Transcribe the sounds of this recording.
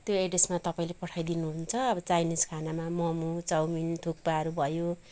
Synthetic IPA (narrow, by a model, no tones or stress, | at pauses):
t̪joeʈesmat̪ʌpaĩlepʌʈʰajd̪inuɦunt͡sʰʌːbʌt͡sajniskʰanamamʌmut͡sʌwmint̪ʰuk̚paʌɾubʱʌjo